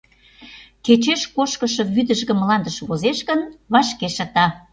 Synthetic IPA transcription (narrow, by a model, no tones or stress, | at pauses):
ket͡ɕeʃkoʃkəʃɤ̆βyd̪əʒɣə̆mlɑnd̪əʃβozeʃɣənβɑʃkeʃɑt̪ɑ